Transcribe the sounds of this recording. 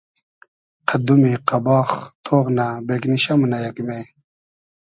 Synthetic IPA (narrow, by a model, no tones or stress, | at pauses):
qʰad̪umiqabɑːχt̪ʰoːʁnabekniɕamunajakme